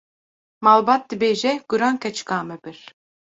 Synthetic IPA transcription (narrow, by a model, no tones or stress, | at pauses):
malˠbat̪̚d̪ibeʒɛɡ̥uɾaŋkɛt͡ʃkaːmɛbiɾ